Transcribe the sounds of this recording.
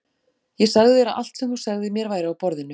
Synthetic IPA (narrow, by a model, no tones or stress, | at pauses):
jɛsaɣðɪɛɾaʔal̥t̪sɛmhu̥saɣðɪmjɛɾvaːjɾɪawpɔɾðɪnːʏ